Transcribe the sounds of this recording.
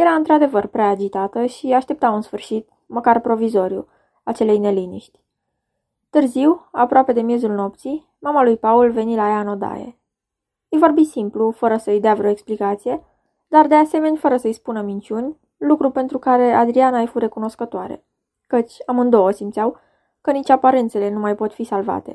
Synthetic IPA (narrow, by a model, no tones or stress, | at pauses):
jeɾaɨnt̪ɾad̪e̞vərpɾeaːd͡ʒit̪at̪əʃiaʃt̪e̞p̚t̪awɨnsfɨrʃit̪̚ | məkarpɾo̞vizo̞ɾijṵ | at͡ʃe̞le̞jne̞linḭʃt̪ʲ | t̪ɨrziwapɾoape̞d̪e̞mje̞zulno̞p̚t̪si | mamalujpaulve̞nilajaɨno̞d̪a̰jḛ | ɨjvo̞rbisimplufəɾəsəɨjd̪eavɾeo̞eksplikat̪sije̞ | d̪ard̪e̞ase̞me̞nʲfəɾəsəɨjspunəmint͡ʃunʲ | lukɾupe̞nt̪ɾukaɾe̞ad̪ɾianajfuɾe̞kuno̞skət̪oaɾe̞̰ | kət͡ʃʲamɨnd̪o̞wəsimt̪sʲjaw | kənit͡ʃapaɾe̞nt̪se̞le̞numajpo̞t̪fisalva̰t̪e̞̰